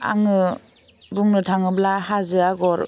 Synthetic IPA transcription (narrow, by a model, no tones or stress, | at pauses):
a̰ŋɯ | buŋnɯtʰaŋɯblahazɯaɡɔɾ